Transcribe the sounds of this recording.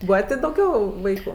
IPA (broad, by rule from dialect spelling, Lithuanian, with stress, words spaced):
ˈbuːʋɐ tʲeː dɐʊˈɡʲɛʊ ˈʋɐɪkʊ